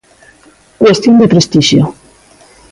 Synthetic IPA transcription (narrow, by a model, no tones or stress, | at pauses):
kwest̪jond̪epɾest̪iʃjo